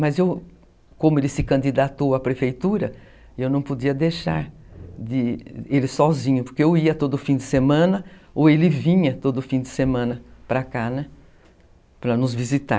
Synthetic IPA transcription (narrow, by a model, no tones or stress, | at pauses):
mɐzew | kõmʊelɪsɪkɐ̃nd̪id̪at̪owapɾefejt̪uɾɐ | ewnɐ̃w̃pod͡ʒiɐd̪eʃa̰ɾ | d̪ɪelɪsɔzĩɲʊpoɾkeewiɐt̪od̪ʊfĩd̪ɪsemɐ̃nɐowelɪvĩɲɐt̪od̪ʊfĩd̪ɪsemɐ̃nɐpɾɐkanɛ | pɾɐnʊzvizit̪a̰